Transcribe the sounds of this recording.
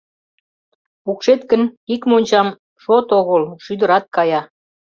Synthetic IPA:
ukʃet̪kənikmonʲt͡ɕɑm | ʃot̪oɣəlʃyd̪əɾɑt̪̚kɑjɑ

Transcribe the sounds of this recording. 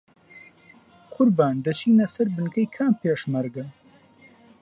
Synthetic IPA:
kʰʊɾbaːnd̪ɐt͡ʃʰiːnɐsɐɾbɨnkʰɐjkʰaːmpʰeːʃmɐɾɡɐ

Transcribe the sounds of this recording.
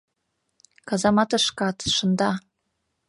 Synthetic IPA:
kɑzɑmɑt̪ɤʂkɑt̪ʂɤ̆nd̪ɑ

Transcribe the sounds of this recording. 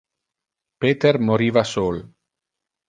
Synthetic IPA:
peːt̪ermoɾiːvasoːl

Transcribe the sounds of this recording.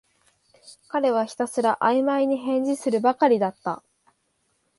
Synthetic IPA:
kaɾe̞β̞açi̥t̪asɨɾaʔaimaiɲ̟iɦẽ̞ɲ̟d͡ʑisɨɾɯ̟bakaɾʲid̪at̪ːa̰

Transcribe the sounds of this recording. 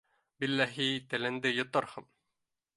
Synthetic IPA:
bilːæɦit̪ælæ̆nd̪ɘjŏt̪ɑɾhɤm

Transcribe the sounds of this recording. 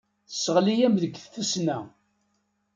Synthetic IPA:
θə̥səʁlijæmðəɡθθusnæ

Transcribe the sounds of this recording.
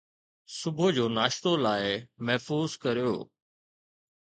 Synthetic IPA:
sʊbʱʊd͡ʑoːnaːʃt̪olaːɪmɛɦfuːzkɐɾijo̰ː

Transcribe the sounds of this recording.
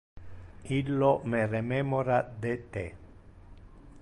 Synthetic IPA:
ilːomerememoɾad̪et̪e

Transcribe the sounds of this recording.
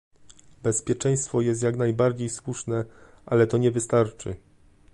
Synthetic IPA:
bɛspʲjɛt͡ʂɛj̃st̪fɔjɛst̪jaknajbaɾd͡ʑejswuʂnɛ | ʔalɛt̪ɔɲɛvɘst̪aɾt͡ʂɘ̰

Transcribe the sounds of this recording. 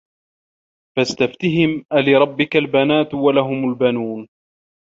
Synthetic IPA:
fast̪aft̪ɪɦɪmʔalɪɾˤɑbːɪkalbanaːt̪walaɦʊmalbanuːn

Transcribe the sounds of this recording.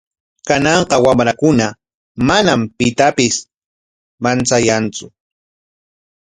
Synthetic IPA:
kanɑɴqɑwamɾakʊna | manampɪt̪apɪs | mant͡sajant͡sʊ

